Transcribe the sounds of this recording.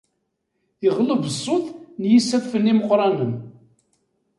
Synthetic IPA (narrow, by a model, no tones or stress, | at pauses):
ɪʁləvəsˤːʊθˤnjisːæfːənːiməqːɾˤɑnəm